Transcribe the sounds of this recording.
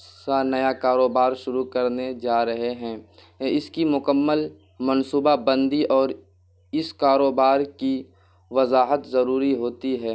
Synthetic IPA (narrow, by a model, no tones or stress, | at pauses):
kanɐjakaːɾoːbaːɾʃʊɾukɐɾned͡ʒaːɾɐɦeɦɛ̃ː | ɪskimʊkəmːəl | mɐnsuːbabə̃nd̪iʔɔːɾ | ɪskaːɾoːbaːɾki | ʋɐzaːɦət̪zɐɾuːɾiɦoːt̪iɦɛː